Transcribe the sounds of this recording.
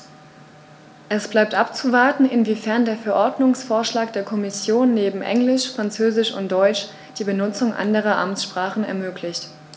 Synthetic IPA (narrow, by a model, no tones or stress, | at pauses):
ʔɛsb̥laɪp̚tʔapt͡suvaɐtn̩ɪnviːfɛɐndeːɐfɛɐʔɔɐdnʊŋsfoːɐʃlaːkd̥eːɐkʰɔmɪsjoːnːeːbm̩ʔɛ̰ŋlɪʃfʁ̥ant͡søːzɪʃʊ̰nt̚d̥ɔʏt͡ʃ | d̥iːbənʊt͡sʊŋʔa̰ndəʁ̞ɐʔa̰mt͡sʃpʁ̥aːχn̩ɛ̰ɐmøːklɪçt